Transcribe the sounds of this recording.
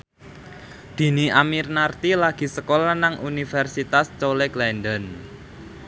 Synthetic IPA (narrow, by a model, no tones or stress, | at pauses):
d̪̥i̤niamirnart̪ilaɡ̥i̤səkolanaŋʔunifɛrsit̪ast͡ʃoleklɛndən